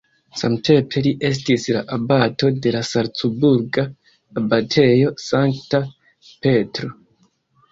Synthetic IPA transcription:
samte̞mpʰe̞liʔe̞s̬tisla̰ʔabato̞de̞lasaɾt͡subuɾɡaː | batʰe̞jo̞saŋkta | pe̞tɾo

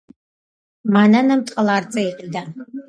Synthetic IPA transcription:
maːnɐnɐmtʼqʼɐlaːrt͡sʼɐiqʼidaː

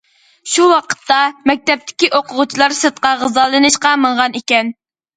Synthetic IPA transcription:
ʃuwɑqʰə̥t̪ːɑmɛk̚ʲt̪ɛp̚t̪ʰɪ̥kʲiʔoqʰʊʁʊt͡ʃʰilˠɑɾsɨt̪̚qɑʁəzɑlˠɨnɨʃqɑməɴʁɑnikʲɛn

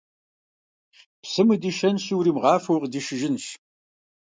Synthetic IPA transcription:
psɨmɨdiʃɐnɕiwɾiːmʁɑːfɐwqdiʃɪʒɪnɕ

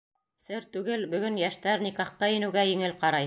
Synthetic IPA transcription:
sɘɾt̪ʉɡɘlbɵ̆ɡɵnjæʃt̪æɾnikɑχt̪ɑjɘ̆nɘ̆wɡæjɘ̆ŋɘlqɑɾɑj

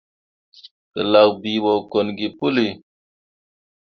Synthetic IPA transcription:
tə̰laɣbiwokonɡipuli

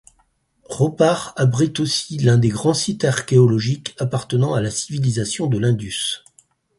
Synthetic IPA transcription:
ʁɔpaʁabʁit̪osilɛ̃d̪eɡʁɑ̃sit̪aʁkʲeɔlɔʒikapaʁt̪ənɑ̃alasivilizasjɔ̃d̪əlɛ̃d̪ys

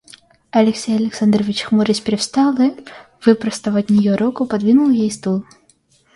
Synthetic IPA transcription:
ɐlʲɛksʲejɐlʲɛksand̪rɔvʲit͡ɕxmɔɾʲɪsʲpʲɾɛwst̪alˠɨ | vɨpɾɐst̪ɐvɐtʲnʲijɔɾɔkʊpad̪vʲinulˠjejst̪ulˠ

